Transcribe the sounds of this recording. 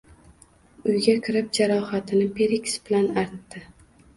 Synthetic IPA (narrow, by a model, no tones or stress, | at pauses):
ʊjɡʲakʲʰɪɾɪp̚d͡ʒaɾɒhat̪ʰɪnɪpʰeɾikʲsb̥ɪlanaɾt̪ːɪ